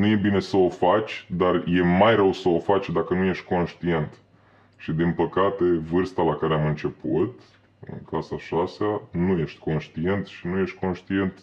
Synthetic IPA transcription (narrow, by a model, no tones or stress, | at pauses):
nuje̞bine̞səo̞fat͡ʃʲd̪arje̞majɾəwsəo̞fat͡ʃʲd̪akənuje̞ʃt̪ʲko̞nʃt̪ie̞nt̪ | ʃid̪inpəkat̪e̞vɨrst̪alakaɾeamɨnt͡ʃe̞put̪ | ɨ̰ŋklasaʃaseanuje̞ʃt̪ʲko̞nʃt̪ie̞nt̪ʃinuje̞ʃt̪ʲko̞nʃt̪ie̞nt̪